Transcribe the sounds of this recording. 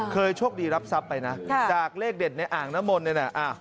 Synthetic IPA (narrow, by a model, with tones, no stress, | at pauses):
kʰɤː˧jt͡ɕʰuː˥˩əŋdiː˧ɾa˦˥p̚sa˦˥pːa˧jna˦˥˧t͡ɕaː˨˩k̚leː˥˩k̚de˨˩t̪̚na˧jʔaː˨˩ŋna˦˥mo˧nːi˥˩na˧˩ʔaː˧˩